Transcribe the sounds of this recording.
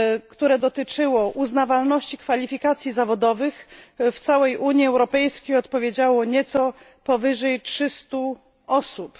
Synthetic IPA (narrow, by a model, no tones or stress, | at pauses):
kt̪uɾɛd̪ɔt̪ɘt͡ʂɘwɔʔuznavalnɔɕt͡ɕikfalʲifʲikat̪sʲjizavɔd̪ɔvɘxft̪sawɛjʔuɲiɛwɾɔpɛjskʲejɔt̪pɔvʲjed͡ʑawɔɲɛt̪sɔ | pɔvɘʐɛjtʂɘst̪u | ɔsup